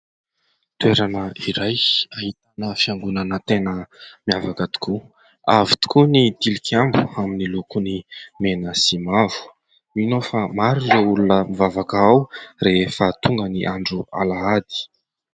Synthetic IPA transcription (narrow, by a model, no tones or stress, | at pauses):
t̪ueɾanəiɾajahit̪anəfiaŋɡunanət̪enəmiavakət̪u̥ku | avi̥t̪u̥kunid̪̥ilikiambuaminilukunimenəsimavu̥ | minofamaɾizoulunəmivavakaawrefət̪uŋɡəniʔaɳɖ͡ʐua̰laad̪i̥